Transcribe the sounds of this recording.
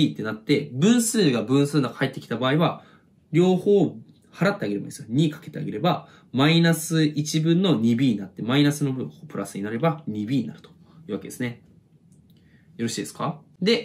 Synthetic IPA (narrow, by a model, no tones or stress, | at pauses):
iːt̪ːe̞nat̪ːe̞bɯ̟̃ɰ̃sɨːɡabɯ̟̃ɰ̃sɨːnokhʰaet̪ːe̞kʲi̥t̪abaːiβa | ɾʲo̞ːho̞ː | haɾat̪ːe̞aɡe̞ɾeba̰nd̪esɨjoɲ̟ikḁke̞t̪e̞a̰ɡe̞ɾe̞ba | mainasɨʔit͡ɕibɯ̟̃nːo̞ɲ̟ibʲiːɲ̟inat̪ːe̞mainasɨno̞bɯ̃opɯ̟ɾʔasɨɲinaɾe̞baɲ̟ibʲiːɲinaɾɯ̟t̪o̥ | jɯ̟ːβaked̪e̞sɨne̞ | jo̞ɾo̞ɕiːd̪esɨ̥kad̪e̞